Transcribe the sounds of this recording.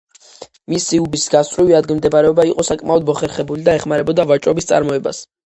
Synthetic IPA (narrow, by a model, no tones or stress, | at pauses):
misiubisɡast̪ʼɾiviad̪ɡimd̪ɛbaɾɛɔbaiqʼɔsakʼmaɔd̪mɔχɛɾχɛbulid̪aɛχmaɾɛbɔd̪avat͡ʃʼɔbist̪sʼa̰ɾmɔɛba̰s